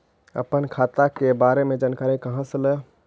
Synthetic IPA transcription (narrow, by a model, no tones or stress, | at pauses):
ə̰pənkʰat̪akebaɾemed͡ʒankaɾikəɦãsələ